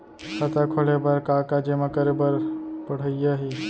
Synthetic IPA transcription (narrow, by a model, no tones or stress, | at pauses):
sət̪akʰolebəɾkakad͡ʒemakəɾebəɾpəɽ̤əijaɦi